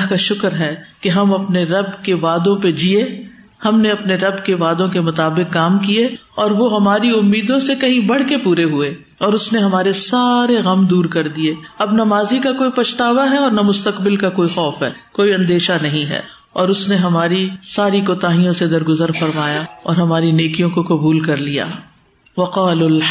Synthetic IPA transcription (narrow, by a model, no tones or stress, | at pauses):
kaʃʊkəɾɦɛkeɦɐmɐpneɾɐbkeʋaːd̪õped͡ʒie | hɐmneɐpneɾɐbkeʋaːd̪õkemʊt̪aːbɪkːaːmkie | ɔːɾʋoɦɐmaːɾiʊmːiːd̪õsekɐɦĩbɐɽ̤kepuːɾeɦueː | ɔːɾʊsneɦɐmaːɾesaːɾeɣɐmd̪uːɾkɐɾd̪ieːɐbnɐmaːzikakoːipɐʃt̪aːʋaɦɛɔːɾnɐmʊst̪ɐqbɪlkakoːixɔːfɦɛ̰ːkoːiɐ̃nd̪eːʃanɐɦĩɦɛ̰ː | ɔːɾʊsneɦɐmaːɾisaːɾikoːt̪aːɦijõsed̪ɐɾɡʊzəɾfɐɾmaːjaɔ̰ːɾɦɐmaːɾineːkijõkoqɐbuːlkɐɾlija̰ː | ʋɐqaːll